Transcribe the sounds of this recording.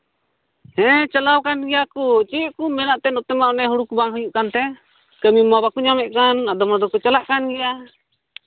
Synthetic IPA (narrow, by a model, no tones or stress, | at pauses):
hɛ̃t͡ʃəlawkanɡɛjakɔt͡ʃiʔkumɛnaʔt̪ɛnɔt̪ɛmaʔnɛɦuɽukubaŋɦujuʔkant̪ɛ | kəmimabakuɲamɛʔkanad̪ɔmad̪ɔkɔt͡ʃalaʔkanɡɛja